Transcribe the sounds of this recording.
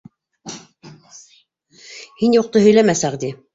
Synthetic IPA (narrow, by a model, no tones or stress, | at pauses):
hinjuq̚t̪ɤɦɵ̆jlæmæsæqd̪i